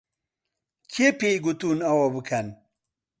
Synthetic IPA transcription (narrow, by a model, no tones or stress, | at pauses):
kʰepejɡut̪unawɐbɨkʰɐn